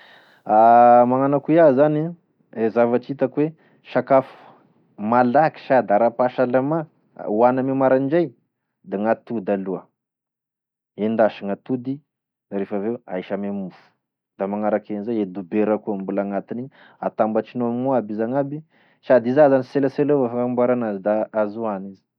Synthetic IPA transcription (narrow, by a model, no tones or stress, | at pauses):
amaŋanakuazani | ezavaʈ͡ʂit̪akwe | ʃakafu̥ | malaki̥ʃad̪aɾapaʃalama̰ | wanamemaɾaɳd͡ʒaj | d̪aŋat̪ud̪aluə | end̪aʃaŋat̪ud̪i | aɾefavewa̰iʃamemufu̥ | d̪̥amaŋaɾakenzajed̪ubeɾakuambulaŋat̪iniɲ | a̰t̪ambat͡ʃinoamiŋoabizaŋabi | ʃad̪izazaniselaseloafakmbuaɾanazid̪aazuanizi̥